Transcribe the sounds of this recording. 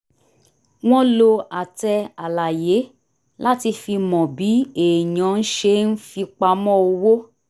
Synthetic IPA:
w̃ɔ̃˦lo˧a˨tɛ˧a˨la˨je˨˦ | la˦ti˧fi˧mɔ̃˨bi˨˦e˨ɲɔ̃˨˦n̩˦ʃe˧˦n̩˦fi˧k͡pa˧mɔ̃˦o˧wo˦

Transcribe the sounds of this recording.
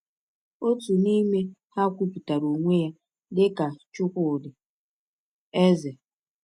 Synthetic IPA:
o˦tu˨ni˦me˦ha˦kʷu˦pi˨ta˨ɾo˨ŋʷe˦ja˦ | dɪ˦ka˨t͡ʃʊ˦kʷʊ˨dɪ˨ | e˦ze˨

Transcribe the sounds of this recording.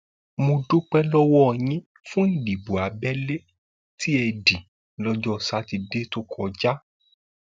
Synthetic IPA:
mõ˧do˦k͡pɛ˦lɔ˦wɔ˦˧˨j̃ĩ˦ | fũ˦i˦˨di˨bo˨a˨˦bɛ˦le˦ | tʰi˦ɛ˧di˨ | lɔ˦d͡ʒɔ˦˨sa˦ti˧de˦to˦kʰɔ˧˨d͡ʒa˦

